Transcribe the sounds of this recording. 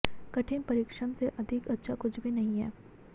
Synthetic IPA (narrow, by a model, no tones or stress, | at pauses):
kɐʈʰɪ̃npɐɾɪkʃəmseʔɐd̪ʱɪkɐtːʃʰakʊt͡ʃʰbʱinɐɦĩɦɛ̰ː